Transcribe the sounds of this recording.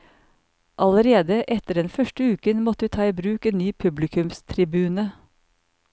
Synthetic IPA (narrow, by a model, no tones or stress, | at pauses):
ʔɑləɾeːd̪əʔɛt̪əɖɛnfœʃʈəʉːkənmɔt̪əʋiːt̪ʰɑːiːbɾʉːkeːnnyːpʰʉblɪkʰʉmst̪ʰɾɪbʉːnə